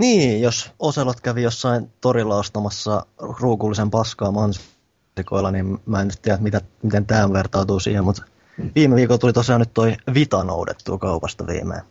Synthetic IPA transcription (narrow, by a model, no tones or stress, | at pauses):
niːjososelot̪kæʋijosːɑint̪orilːɑost̪ɑmɑsːɑruːkuːlːisempɑskɑːmɑns | iko̰ilːɑniːmmæːnyt̪t̪iææt̪mit̪æmit̪ent̪æːʋert̪ɑːt̪uːsḭːhemmut̪ | ʋiːmeʋiːkolt̪ulit̪osiɑːnyt̪t̪oiʋit̪ɑno̰udḛt̪ːṵːkɑupɑst̪ɑʋḭːmḛː